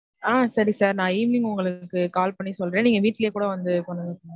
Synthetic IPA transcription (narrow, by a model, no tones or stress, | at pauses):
aːsɐɾisaːɾnãːiːmɪnɪŋʊŋɡɐɭɯkːɯkaːlpɐɳːisɔlɾẽːniːŋɡɐʋiːʈːɪlɐjekuːɽɐʋɐnd̪ɯkɔɳɐnɯs